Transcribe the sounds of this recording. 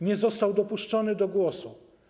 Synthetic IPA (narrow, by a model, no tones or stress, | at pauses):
ɲɛzɔst̪awd̪ɔpuʂt͡ʂɔnɘd̪ɔɡwɔsu